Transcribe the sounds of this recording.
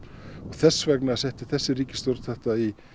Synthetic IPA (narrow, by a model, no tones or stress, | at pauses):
ɔɣθɛsːvɛknasɛht̪ɪ̥θɛsːɪɾriːcɪ̥st̪owɾt̪θɛht̪ai